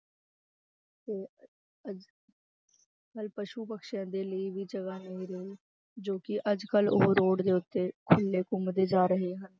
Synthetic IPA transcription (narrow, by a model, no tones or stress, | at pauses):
t̪eː | əd͡ʒ | kəlpəʃuːpəkʃjãːd̪eːləiʋiːd͡ʒəɡaːnəɦĩːɾəɦiː | d͡ʒoːkɪʔəd͡ʒkəlʊ̰ɦɾoːɽd̪eːʊt̪ːeːkʰʊlːeːkʊmd̪eːd͡ʒaːɾəɦeːɦən